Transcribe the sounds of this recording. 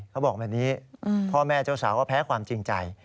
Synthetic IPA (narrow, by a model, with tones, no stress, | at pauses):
kʰa˦˥wbɔː˨˩k̚bɛː˨˩niː˦˥pʰɔː˥˩mɛː˥˩t͡ɕaː˥˩wsaː˩˦kɔː˥˩pʰɛː˦˥kʰwaː˧mt͡ɕi˧ŋt͡ɕa˧j